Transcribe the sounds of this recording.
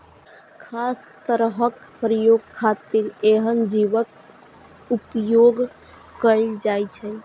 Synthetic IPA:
kʰast̪əɾɦəkpɾəjoɡ̚kʰat̪iɾeɦənd͡ʒiʋək | upjoɡː | əld͡ʒajt͡ʃʰɛ

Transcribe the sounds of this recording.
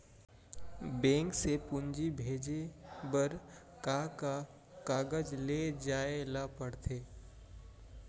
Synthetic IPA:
bẽːŋksepʊɲd͡ʒibʱeːd͡ʒebəɾ | kaka | kaːɡəd͡ʒled͡ʒaːelapəɽt̪ʰeː

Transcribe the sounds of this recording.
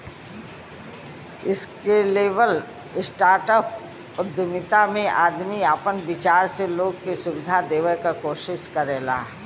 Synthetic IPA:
ɪskeleːʋəl | ɪsʈaːɾʈəp | ʊd̪əmɪt̪amẽʔa̰ːd̪miaːpənbɪt͡ʃaːɾseloːɡkesʊʋɪd̪ʱad̪eːʋəkakoːʃɪʃkəɾeːla̰ː

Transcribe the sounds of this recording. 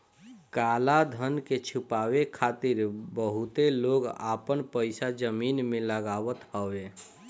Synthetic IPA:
kaːlad̪ʱənket͡ʃʰʊpaːwekʰaːt̪ɪɾbəɦʊt̪eloːɡa̰ːpənpəɪsad͡ʒəmiːnmẽləɡaːwət̪ɦɔʋe

